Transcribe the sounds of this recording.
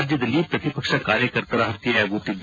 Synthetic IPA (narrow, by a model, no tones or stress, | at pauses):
ɾd͡ʒjəd̪ɐliepɾɐt̪ipəkʃakaːɾjəkɐɾt̪aɾaɦt̪iɦɛɡuːʈid̪